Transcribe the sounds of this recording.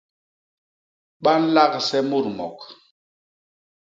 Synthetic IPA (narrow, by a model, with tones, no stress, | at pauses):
ɓa˦n̩˦la˦ksɛ˦mu˦˨ɾmɔ̰˨k